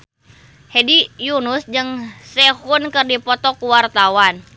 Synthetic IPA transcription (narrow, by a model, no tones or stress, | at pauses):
hɛdijunusd͡ʒɨŋsɛhunkɨrdipɔt̪ɔkuwart̪awan